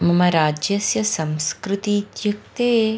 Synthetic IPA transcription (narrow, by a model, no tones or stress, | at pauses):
mɐmɐɾaːd͡ʒjɐsjɐsɐ̃mskɾɪt̪it̪juk̚t̪eː